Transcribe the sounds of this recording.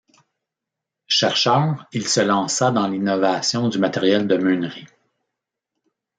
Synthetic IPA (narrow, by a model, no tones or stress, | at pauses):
ʃɛʁʃœːʁilsəlɑ̃ːsad̪ɑ̃linɔvasjɔ̃d̪ymat̪eʁjɛld̪əmynʁi